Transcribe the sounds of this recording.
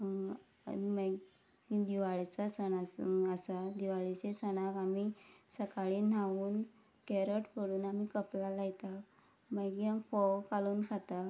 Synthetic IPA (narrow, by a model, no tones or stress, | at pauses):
mə | id̪iʋaɭt͡sasəɳasəsad̪iʋaɭit͡ɕesənakamisəkaɭiːn̤aʋuːn | keɾəʈpəɽuːnamiːkəplalajt̪a | məɡiamfɔwkaluːnkʰat̪a